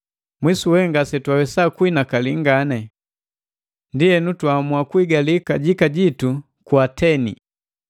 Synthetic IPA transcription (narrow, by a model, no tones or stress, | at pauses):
mwisuwɛŋɡasɛtwawɛsakwinakaliŋɡanɛ | ndiɛnutwamuakwiɡalikaɟikaɟitu | kwatʰɛnḭ